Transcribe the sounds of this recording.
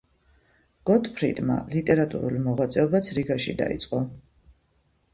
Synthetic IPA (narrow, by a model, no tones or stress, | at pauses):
ɡ̥ɔt̪pʰɾḭd̪ma̰lit̪ʼɛɾat̪ʼṵɾṵlˠmɔʁwat̪sʼɛɔbat̪sʰɾiɡaʃḭd̪a̰ḭt̪sʼqʼɔ